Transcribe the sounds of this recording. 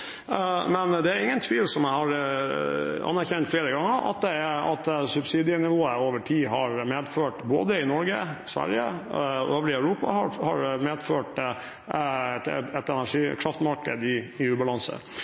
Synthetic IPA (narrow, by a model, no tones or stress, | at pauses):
mɛnd̪ɛæɾɪŋːənt̪ʰʋiːlsɔmæɪhɑɾ | ɑ̰nːæɾçɛnt̪fleːɾəɡɑŋːəɾʔɑ̰t̪̚d̪ɛɑ̰t̪sʉbsiːd̪ɪənɪʋoːəoːʋəʈʰiːɦɑɾmeːd̪føːʈbo̰ːd̪əɪnɔɾɡəsʋæ̰ɾjə̰øːʋəɾɪœʉɾuːpɑ̰hɑhɑ̰ɾmeːd̪føːʈ | ɛt̪ɛnæʂiːkʰɾɑft̪mɑɾkəd̪ɪːʉːbɑlɑnsə̰